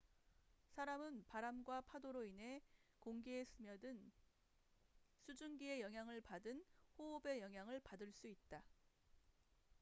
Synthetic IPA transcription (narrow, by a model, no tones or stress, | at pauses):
sʰaɾamɯnpaɾamɡwapʰadoɾoinɦe̞koŋɡees͈ʰɯmjʌdɯn | sʰud͡ʑunɡie̞jʌŋɦjaŋɯɭpadɯnɸoobe̞jʌŋɦjaŋɯɭpadɯɭs͈uit̚t͈a